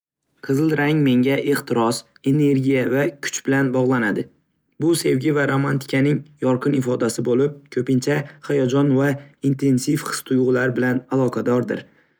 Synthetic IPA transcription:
qʰɨzɪlˠɾaŋme̞ŋɡʲaʔe̞χt̪ʰɪɾɒs | e̞ne̞ɾɡʲijavakʲʰʊ̥t͡ʃbɪlanbɒʁlˠanad̪ɪ | bʊse̞vɡʲɪvaɾomant̪ʰɪ̥kʲʰanɪŋjɒɾqʰɨnɪfɒd̪asɪbolɪp̚kʰɵpɪnt͡ʃʰahajɒd͡ʒɒnvaint̪ʰe̞nsifχɨ̥st̪ʰʊjʁlaɾbɪlanalˠɒqʰɑd̪ɒɾd̪ɪ̰ɾ

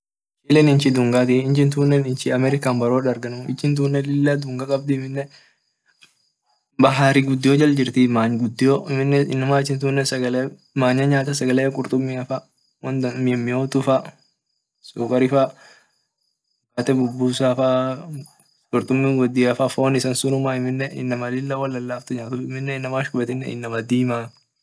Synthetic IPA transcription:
t͡ʃiːlɛnɪnt͡ʃɪd̪ʊŋɡaːt̪ɪɪnt͡ʃɪnt̪uːnːɛnɪnt͡ʃɪɐmɛɾɪkaːnbɐɾoːᶑɐɾɡɐnʊmɪ̰t͡ʃːɪnt̪̬uːnːɛlɪlːad̪ʊŋɡakʼɐb̚d̪ɪɪmɪnːɛ | bɐɦaːɾɪɡʊd̪ːɪjod͡ʒɐld͡ʒɪɾt̪imaːɲɡʊd̪ːɪjoɪmɪnːɛɪnːʊmaːɪt͡ʃːɪnt̪uːnːɛsɐɡɐl | maːɲɐɲaːt̪ɐsɐɡɐleːkʼʊɾt̪ʼʊmːiɐfa | wɐnd̪ɐmɪɛmːɪjoːt̪ʊfɐ | sʊːkʼɐɾɪfɐ | kaːt̪ɛbʊbːuːsaːfa | kʼʊɾt̪ʼʊmːɪŋɡɔd̪ːɪːɐfɐfoːnɪsɐnsʊnʊmaɪmːɪnːɛʔɪnːɐmɐlɪlːɐwɐlːɐlːaːft̪ʊɲaːt̪ʊɪmːɪnːɛɪnːɐmaːʃkʼʊbɛt̪ɪnːɛ̰ɪ̰nːɐmɐd̪iːmaː

